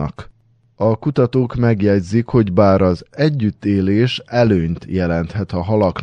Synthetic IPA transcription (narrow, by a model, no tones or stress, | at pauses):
ɒ̰k | ɒkut̪ɒt̪oːkmɛɡjɛɟzikho̞ɟbaːɾɒzɛɟːyt̪ːeːleːʃɛløːɲt̪jɛlɛnt̪hɛt̪ɒɦɒlɒk